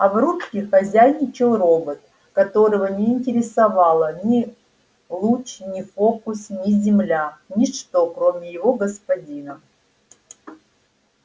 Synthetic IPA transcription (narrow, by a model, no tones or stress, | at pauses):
ɐvɾutkʲɪxɐzʲæjnʲɪt͡ɕɪlˠro̞bət̪̚ | kɐt̪o̞ɾəvənʲɪːnʲtʲɪɾʲɪsɐvɑlˠənʲɪ | lˠut͡ɕnʲɪfokʊsnʲɪzʲɪmlʲanʲɪʂt̪o̞kɾomʲɪjɪvo̞ɡəspɐdʲinə